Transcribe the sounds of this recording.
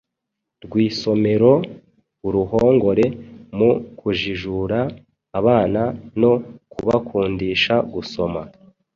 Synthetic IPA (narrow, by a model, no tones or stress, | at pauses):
ɾɡwiːso̞me̞ɾo̞ | uɾuɦo̞ːŋɡo̞ɾe̞mukʰuʒiʒuɾaː | βaːnano̞kuβakʰuːndiːʃaɡuso̞ma